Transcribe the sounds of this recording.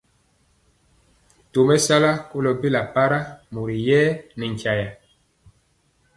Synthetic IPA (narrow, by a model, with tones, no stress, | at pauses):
to˨mɛ˦sa˦la˦ko˦lɔ˨bi˦la˨pa˦ɾa˦mu˨ɾi˨jɛː˦nɛ˨ŋ˨kja˨ja˨